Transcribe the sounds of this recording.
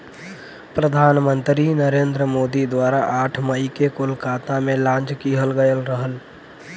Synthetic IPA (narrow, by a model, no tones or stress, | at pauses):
pɾəd̪ʱaːnmə̃nt̪ɾinəɾẽːnd̪ɾəmoːd̪id̪waːɾaʔaːʈʰməikekoːlkaːt̪amẽlãːɲt͡ʃkiːɦəlɡəjəlɾəɦəl